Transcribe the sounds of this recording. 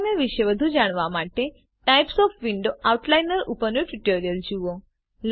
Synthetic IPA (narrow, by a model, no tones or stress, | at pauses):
neʋiɕəʋəd̪ʱud͡ʑaɳ̃ʋamaʈe | ʈajpsɔfʋiɳɖoʔauʈlajnəɾupənuʈiʈoɾijəld͡ʑiʋo | l